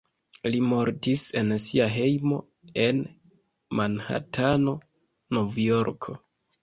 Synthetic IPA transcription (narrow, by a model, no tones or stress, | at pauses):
limo̞ɾtise̞nsiaɦe̞jmo̞ | e̞n | manha̰tʰano̞ | novjo̞ɾkʰo̞̰